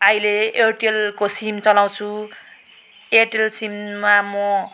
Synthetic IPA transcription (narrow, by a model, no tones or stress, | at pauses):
ajleerʈelkosimt͡sʌlaw̃t͡sʰu | erʈelsimːamʌ